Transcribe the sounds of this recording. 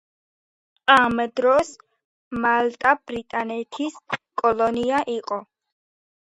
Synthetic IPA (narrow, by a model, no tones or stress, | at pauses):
amd̪ɾɔs | malt̪ʼabɾit̪ʼanɛt̪ʰiskʼɔlɔniaʔiqʼɔ